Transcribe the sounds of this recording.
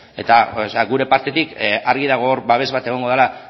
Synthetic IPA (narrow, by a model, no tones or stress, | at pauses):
e̞̰t̪asaɣuɾe̞paɾt̪e̞t̪ikaɾɣiðaɣ̞o̞ɾβaβ̞e̞zβat̪e̞ɣ̞o̞ŋɡo̞ð̞ela